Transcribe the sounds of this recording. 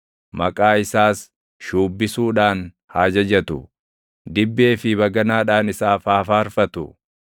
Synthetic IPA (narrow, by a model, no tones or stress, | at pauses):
mɐkʼaːɪsaːs | ʃuːbːɪsuːᶑaːn | haːd͡ʒɐd͡ʒɐt̪ʊ | d̪ɪbːe̞ːfɪβɐɡɐnaːᶑaːnɪsaːfaːfaːɾfɐt̪ʊ